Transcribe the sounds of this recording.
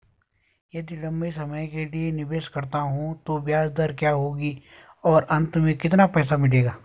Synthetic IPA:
jɐd̪ilɐ̃mbisɐməjkelienɪbeːʃkɐɾt̪aɦũt̪oʋjaːd͡ʒd̪əɾkjaːɦoːɡi | ɔːɾʔɐ̃nt̪mẽkɪt̪napɛːsamɪleːɡaː

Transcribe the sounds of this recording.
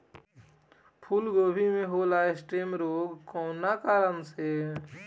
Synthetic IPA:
pʰulɡoːbʱimẽɦoːlaːesʈeːmɾoːɡkõːnakaːɾənse

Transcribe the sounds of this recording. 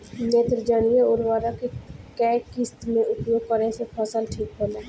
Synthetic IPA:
neːt̪ɾəd͡ʒəɽ̃ijeʊɾʋaːɾəkekɛːʈkɪst̪mẽʔʊpjoːɡ̚kəɾẽsepʰəsəlʈʰiːkɦoːlaː

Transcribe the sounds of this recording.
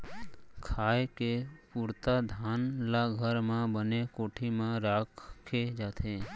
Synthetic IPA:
kʰaːekepuːɾt̪ad̪ʱaːnlaɡʱəɾmẽbənekoːʈʰimẽɾaːkʰkʰːed͡ʒaːt̪ʰẽː

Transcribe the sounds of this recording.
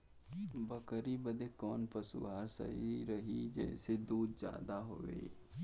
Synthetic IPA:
bəkɾibəd̪ekɔːnpəsuʋaːɾsə̰ɦiɾɐɦid͡ʒɛ̰ːsed̪uːd̪d͡ʒja̰ːd̪aɦoʋḛː

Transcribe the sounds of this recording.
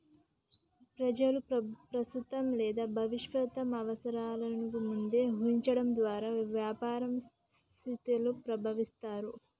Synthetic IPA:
pɾɐd͡ʒɐlupɾɐst̪ut̪ɐmlɛːd̪aːbʱɐʋiʂʋɐt̪ɐmɐʋɐsɐɾaːlɐnikimund̪e̞ːɦuɲt͡ʃɐɽɐmd̪ʋaːɾaːʋjaːpaːɾɐms | tt̪ʰit̪ilupɾɐbʱɐʋist̪aːɾu

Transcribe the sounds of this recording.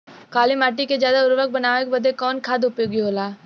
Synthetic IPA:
kaːlimaːʈ̬ikezjaːd̪aʊɾʋək̚bɐnaːʋek̚bɐd̪ʱekɔːnkʰaːd̪ʊpjoːɡiɦoːlaː

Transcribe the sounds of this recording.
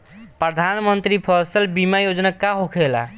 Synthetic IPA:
pɾəd̪ʱanmənt̪ɾipʰəsəlbimajod͡ʒnakaɦokʰela̰

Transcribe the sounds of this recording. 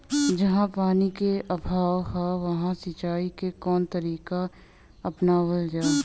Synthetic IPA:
d͡ʒɐɦãpaːnikeʔɐbʱaːʋɦaʋɐɦãsɐt͡ʃaːikekɔːnt̪əɾiːka | ɐpnaʋəld͡ʒaːe

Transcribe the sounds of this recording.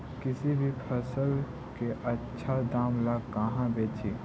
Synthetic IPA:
kɪsibʱipʰəsəl | keʔɐtːʃʰad̪aːmlakɐɦãbeːt͡ʃʰiː

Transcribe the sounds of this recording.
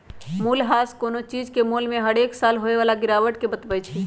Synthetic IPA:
mulɦaskonot͡ʃid͡ʒkemulmẽɦəɽeksalɦoeʋalaɡiɾaʋəʈkebət̪bəjt͡ʃʰi

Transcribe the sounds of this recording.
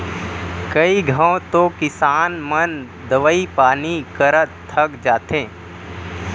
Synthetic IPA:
kəiɡʱə̃t̪okɪsaːnmən | d̪əʋəipaːnikəɾət̪t̪ʰːəɡd͡ʒaːt̪ẽː

